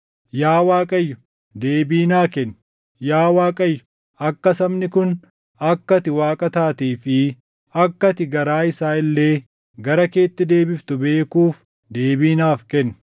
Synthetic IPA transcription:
jaːwaːkʼɐjːʊ̥ | d̪eːbiːnaːkɛn | jaːwaːkʼɐjːʊ | ɐkːɐsɐmnɪkʊn | ɐkːɐt̪ɪwaːkʼɐt̪aːt̪iːfɪ | ɐkːɐt̪ɪɡɐɾaːɪsaːɪlːe̞ː | ɡɐɾɐke̞ːt̪ːɪd̪e̞ːbɪft̪ʊbe̞ːkuːf | d̪e̞ːbiːnaːfkɛnː

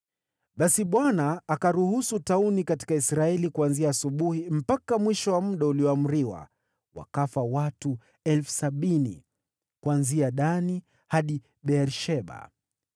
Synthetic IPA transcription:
ɓasiɓwanaːkaɾuhusutaunikati̥kaisɾaɛlikuanziaːsuɓuhim̩pakamwiʃɔwamuɗauliɔamuɾiwa̰ | wa̰kafawatu | ɛlfu̥saɓinḭ | kwanziaɗani | haɗi | ɓɛɾʃɛɓa̰

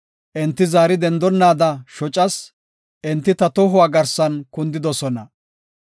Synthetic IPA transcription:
ʔɪnt̪ːɪzaːɾɪd̪ɛnd̪ɔnːaːd̪ɐʃɔt͡ʃʼɐs | ʔɪnt̪ːɪt̪ɐt̪ɔɦʊwaːɡɐɾsɐnkʊnd̪ɪd̪ɔsɔnɐ

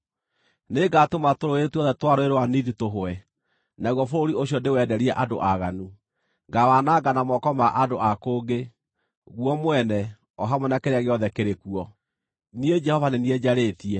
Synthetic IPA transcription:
neɡatomatoɾoetuɔðɛtwaɾoeɾowaniðitoɦoɛ | naɣwɔfoɾoɾioɕiɔndewɛdɛɾiɛʔado̰ʔaɣanu | ŋɡawanaɡanamɔkɔmaʔadoʔakoːɡe | ɣwɔmwɛnɛ | ɔɦamwɛnakeɾeaɣeɔðɛkeɾekuɔ | nied͡ʒɛhɔvanenied͡ʑaɾetiɛ

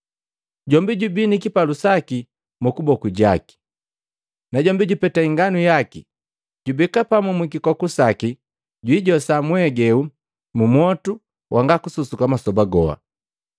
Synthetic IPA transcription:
ɟɔmbiɟubinikipalusaki | mukubɔkuɟa̰ki̥ | naɟɔmbiɟupɛtaiŋɡanujaki | ɟubikapamumwikikɔkusaki | ɟwiɟɔsamwɛɡɛu | mumwɔtu | wʔaŋɡakususukamasɔbaɡɔa̰

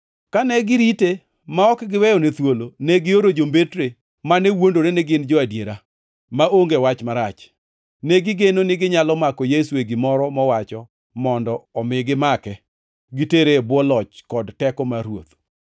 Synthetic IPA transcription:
kanɛɡɪɾite | maɔkɡɪwɛjɔnet̪wolonɛɡɪoɾod͡ʒombetɾe | manewondoɾenɛɡɪnd͡ʒɔadjeɾa | maoŋɡewat͡ʃmaɾat͡ʃ | nɛɡɪɡenonɪɡɪɲalɔmakɔjesueɡɪmɔɾɔmɔwat͡ʃɔ | mɔndɔɔmɪɡɪmakɛ | ɡiteɾebwɔlɔt͡ʃkɔdtɛkɔmaɾwo̰t̪

